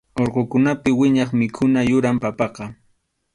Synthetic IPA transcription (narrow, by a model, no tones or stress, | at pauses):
oɾqokʊnapɪwɪɲɑχmɪkʰʊnajʊɾampapɑqɑ